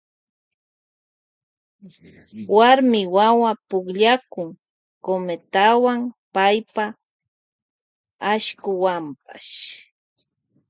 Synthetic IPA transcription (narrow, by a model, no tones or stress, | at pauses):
waɾmɪwawapʊkʎakʊŋ | komet̪awaŋpajpa | aʃkʊwampa̰ʃ